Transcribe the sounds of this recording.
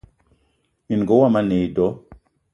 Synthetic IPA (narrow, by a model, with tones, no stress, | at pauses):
i˨n˨ɡɔ˦wa˦˨ma˦ne˨dɔ˨˦